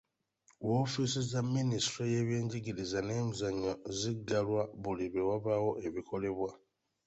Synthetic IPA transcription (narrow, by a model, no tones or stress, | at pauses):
woːfisizamːinistɾoje̞ːβjeːɲɟiɟiɾizane̞ːmuzaɲːoziɡalwaβuliβewaβawo̞ʔe̞βikʰo̞le̞βwa